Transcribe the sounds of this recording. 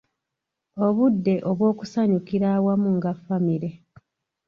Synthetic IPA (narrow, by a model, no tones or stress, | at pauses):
o̞βudːe̞ʔoβwo̞ːku̥saɲukiɾaːwamuŋɡafːamiɾe̞